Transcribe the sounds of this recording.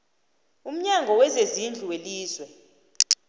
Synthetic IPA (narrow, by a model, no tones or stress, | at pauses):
um̩ɲaŋɡʱɔwɛzezind͡ɮʱuweliːzwɛ